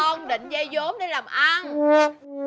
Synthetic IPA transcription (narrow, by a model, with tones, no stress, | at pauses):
ɔ˧ŋɗḭ̈˧˨ŋ̟za˧jzo˨˦mɗe˧˦laː˨˩mʔa˧n